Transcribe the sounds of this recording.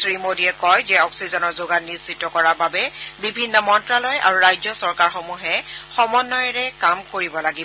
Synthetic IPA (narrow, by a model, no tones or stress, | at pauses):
sɹimodiɛkɔjzɛɔksizɔnɔɹzoɡanːisitːɔkɔɹababɛbibʱinːɔmɔntɹalɔjʔa̰ɹuɹajzɔsɔɹkaɹxomuɦɛxɔmɔnːɔjɹɛkamkoɹibɔlaɡibɔ